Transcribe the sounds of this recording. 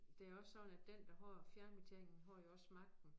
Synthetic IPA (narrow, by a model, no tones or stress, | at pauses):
d̥e̝æɐɒ̽sːɒ̽d̥n̩æd̥end̥ɑ̈ɦɒːfjæɐnm̥it͡sʰḛŋn̩ɦɒ̰ːjoɒ̽smɑ̈ɡ̥̚d̥n̩